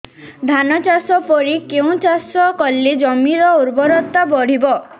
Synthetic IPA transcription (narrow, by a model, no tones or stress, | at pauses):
d̪ʱanɔt͡ʃasɔpɔɽikeũt͡ʃasɔkɔlːid͡ʒɔmiɾɔuɾbɔɾɔt̪ːabɔɽ̤ibɔ